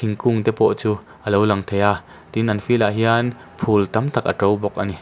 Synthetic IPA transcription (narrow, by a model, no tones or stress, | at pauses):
iŋkuŋt̪ɛpɔʔt͡su | ʔəlowlɐŋt̪ʰeja | t̪inʔɐnfilaʔɦian | pʰult̪ɐmt̪ʰɐk̚ʔɐ̰ʈ͡ʂowbɔk̚ʔani